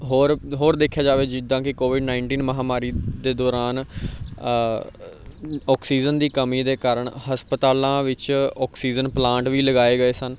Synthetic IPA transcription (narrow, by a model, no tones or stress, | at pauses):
ɦoːɾɦoːɾd̪eːkʰjaːd͡ʒaːʋeːd͡ʒɪd̪ãːkɪkoːʋɪɖnãːɪɳʈiːnməɦaːmaːɾiːd̪eːd̪ɔːɾaːn | ɔːksiːd͡ʒənd̪iːkəmiːd̪eːkaːɾəɳhəspət̪aːlãːʋɪt͡ʃɔːksiːd͡ʒənplãːɳʈʋiːləɡaːeːɡəeːsən